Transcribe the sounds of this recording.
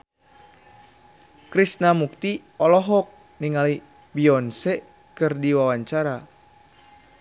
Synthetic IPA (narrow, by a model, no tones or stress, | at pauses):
kɾisnamuk̚t̪i | ɔlɔɦɔk̚ | niŋali | biɔnsɛ | kɨrdiwawaɲt͡ʃaɾa